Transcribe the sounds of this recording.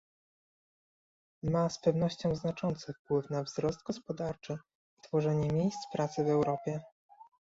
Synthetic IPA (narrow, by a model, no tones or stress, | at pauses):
maspɛvnɔɕt͡ɕɔ̃w̃znat͡ʂɔnt̪sɘfpwɘfnavzɾɔst̪̚ɡɔspɔd̪aɾt͡ʂɘ | t̪fɔʐɛɲɛmʲjejst̪spɾat̪sɘvɛwɾɔpʲjɛ